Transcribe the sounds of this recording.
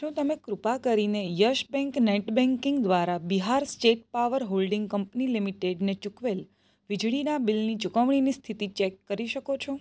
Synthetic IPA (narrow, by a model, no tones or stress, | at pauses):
ʃũt̪əmekɾupakəɾinejəʃbɛ̃ŋkneʈbɛ̃ŋkɪ̃ŋɡd̪ʋaɾabiɦaɾsʈeʈ̚paʋəɾɦolɖɪ̃ŋɡkəmpnilimiʈeɖnet͡ʃukʋel | ʋid͡ʒɽinabilnit͡ʃukəʋɳ̃inist̪ʰit̪it͡ʃɛkːəɾiʃəkot͡ʃʰo